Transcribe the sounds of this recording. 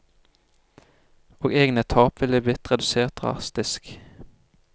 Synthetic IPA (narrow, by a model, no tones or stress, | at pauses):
oːɡeːɡnət̪ʰɑːpʋɪləblɪt̪ʁɛd̪ʉseːʁt̪̚ʁʊ̰ɑ̰st̪ɪsk